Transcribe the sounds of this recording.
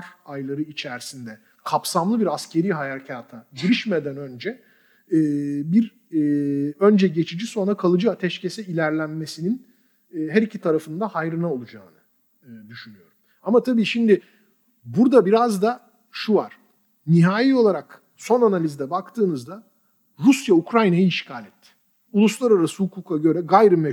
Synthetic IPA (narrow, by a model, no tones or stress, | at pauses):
ɾajlˠaɾɯit͡ʃʰæɾsind̪ɛ | kʰapsamlˠɯbiɾascʰe̞ɾiːɦajacʰaːt̪ʰaɟiɾiʃmed̪ænø̞nd͡ʒɛ | ɛːbiɾ | ø̞nd͡ʒɛɟe̞t͡ʃʰid͡ʒiso̞nɾakʰalˠɯd͡ʒɯat̪ʰɛʃcʰe̞sɛilʲæɾlʲænme̞sininː | ɦæɾicʰit̪ʰaɾafɯnd̪ahajɾɯnao̞lˠud͡ʒa̰ːnɯː | d̪yʃynyjo̞ɾum | amat̪ʰabiːʃimd̪ɪ | buɾd̪abiɾazd̪a | ʃuva̰ɾ̥ | niɦaːjio̞lˠaɾak | so̞nanalʲizd̪ɛbakt̪ʰɯːnɯzd̪a | ɾusjaukɾajnajɯiʃcʰaːlʲɛt̪ʰːɪ̥ | ulˠuslˠaɾaɾasɯhukʰuːkʰaɟø̞ɾɛɡajɾɯmɛ